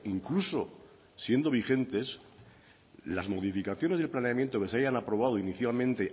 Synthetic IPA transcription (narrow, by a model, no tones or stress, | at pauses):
iŋkluso̞ | sje̞nd̪o̞β̞ixe̞nt̪e̞s | lazmo̞ðifikaθjo̞ne̞zðelplaneamje̞nt̪o̞ke̞seajanapɾo̞β̞að̞oiniθjalmẽnt̪e̞